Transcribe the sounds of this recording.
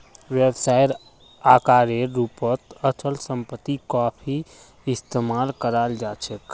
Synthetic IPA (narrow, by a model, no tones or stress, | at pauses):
ʋjəbsaːjɾ | aːkaːɾeɾupət̪ət͡ʃəlsə̃mpət̪ːikɔːpʰi | ɪst̪emaːlkəɾald͡ʒaːt͡ʃʰək